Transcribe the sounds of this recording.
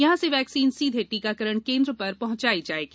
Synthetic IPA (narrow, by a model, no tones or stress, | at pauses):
jɐɦãseʋɛːksiːnsiːd̪ʱeʈikakəɾəɽ̃kẽːnd̪ɾəpɐɾpɐɦʊ̃ɲt͡ʃaːid͡ʒaːeːɡi